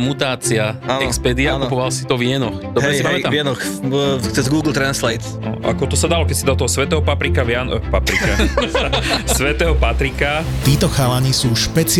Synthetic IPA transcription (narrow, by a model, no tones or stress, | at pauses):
mut̪aːt͡siaanɛkspɛːd̪iakupɔʋalsi̥t̪ɔvɪɛnɔxd̪ɔɦɾɛsipaɛmɛt̪amvɛnɔxt͡sɛzɡuːɡl̩ˠt̪ɾanslɛjt̪ | ɔʔa̰kɔt̪ɔsad̪alɔkɛsid̪aɔt̪ɔɦɔsʋɛt̪ɛːɦɔpapɾikaʋjanpapɾika | sʋɛt̪ɛɦɔpat̪ɾikat̪iːt̪ɔxalaniːsuːʃpɛt͡s